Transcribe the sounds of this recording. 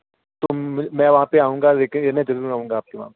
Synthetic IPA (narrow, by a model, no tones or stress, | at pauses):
t̪omɛ̃ːʋɐɦãpeaːũːŋɡadeːkenẽd͡ʒɐɾuɾɐɦũːŋɡaaːp̚keʋɐ̰ɦãpe